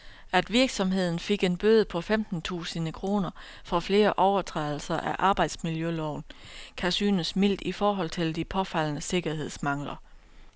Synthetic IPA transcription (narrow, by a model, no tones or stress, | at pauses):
æd̥ʋiɐɡ̥sɒ̽mɦe̝ð̞̰ˠn̩fe̝ɡ̥e̝nb̥øːð̞ˠəpʰɒ̽femd̥n̩t͡sʰṵːsənəkʰʁo̝ːnɐ | fɒ̽fle̝ːɐʔɒʊɐt͡sʰʁɛðˠl̩sɐʔæʔɑ̈ːb̥ɑ̈ɪd̥smiljølɒʊn | kʰæsy̰ːnəsmil̰d̥ifɒːɦɒ̽l̰t͡sʰe̝ld̥ipʰɒ̽fæl̰nəse̝ɡ̥ɐɦe̝ð̞̰ˠsmɑ̈ŋ̰lɐ